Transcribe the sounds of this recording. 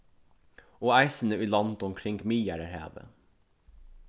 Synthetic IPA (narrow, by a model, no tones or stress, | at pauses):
oːæɪsən̩əʉːlɑnt̪ɔmkʰɾɪŋɡmiːjæɾəɾhḛːʋə̰